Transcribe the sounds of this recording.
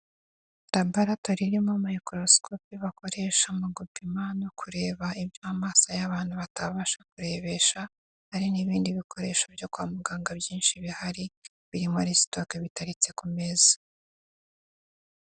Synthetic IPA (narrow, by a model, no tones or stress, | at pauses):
ɾabaɾatoɾiɾimomujikɾoskʰopiβako̞ɾe̞ʃamuɡupimano̞kʰuɾe̞ːβaibjoamaːsajaβaːn̥huβataβaʃḁkuɾe̞βe̞ʃa | haɾiniβiːndiβikʰo̞ɾe̞ːʃabjokwa̰ːmuɡaːŋɡabjiːnʃiβihaɾi | βiɾimoɾistokeβitaɾit͡se̞kume̞zḁ